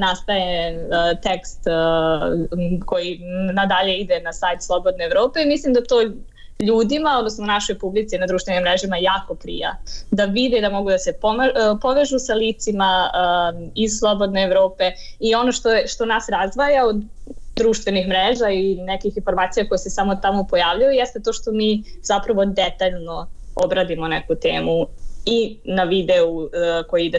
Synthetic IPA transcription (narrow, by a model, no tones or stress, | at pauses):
nast̪ajet̪ekst̪ | ko̞jinad̪aʎe̞id̪enasajt̪slˠo̞bo̞d̪neeʋɾo̞ːpe̞imislimd̪at̪o̞ː | ʎuːd̪imao̞d̪nosnonaʃo̞jpublit̪sinad̪ɾuːʃt̪ʋe̞nimɾeʒimajaːko̞pɾḭja̰d̪aʋid̪ed̪amo̞ɡud̪ase̞pompo̞ʋeʒusaliːt̪sima | izslˠo̞bo̞d̪neːʋɾo̞ːpe̞ | io̞no̞ʃt̪oeʃt̪o̞nasɾazʋajaod̪ | d̪ɾuːʃt̪ʋe̞nixmɾeːʒainekixinfo̞ɾmaːt̪sijako̞jesesamo̞t̪amopo̞jaːʋʎajujest̪et̪oːʃt̪o̞miːzapɾaʋo̞d̪et̪aʎno̞o̰bɾad̪imo̞nekut̪eːmuinaʋid̪eukojiid̪e